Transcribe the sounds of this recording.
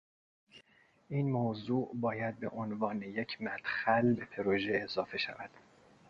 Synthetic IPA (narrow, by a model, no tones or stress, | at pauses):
ʔiːnmoːzuːʔbɒːjæd̪̚bḛʔonvɒːnejecʰmæt̪xælbe̞pʰeɾoʒeːzɒːfe̞ʃæ̰væd̪̥